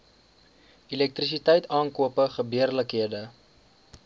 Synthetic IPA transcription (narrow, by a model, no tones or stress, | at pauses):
ilɛk̚tris̬itɛjtɑːnkuəpəχəbiərləkɦiədə